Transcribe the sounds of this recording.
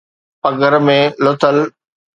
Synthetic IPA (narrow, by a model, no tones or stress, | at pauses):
pɐɡəɾmẽlot̪əl